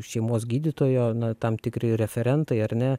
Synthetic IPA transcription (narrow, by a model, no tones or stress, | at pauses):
ʃʲɛɪmoːs̬ɡʲiːd̪ʲɪt̪oːjoːnɐt̪ɐmt̪ʲɪkɾʲɪɾʲɛfʲɛɾʲɛnt̪ɐɪɐɾnʲɛ